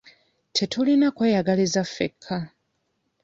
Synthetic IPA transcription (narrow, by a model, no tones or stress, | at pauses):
tʰetʰulinakwejaɡalizafḛkʰːa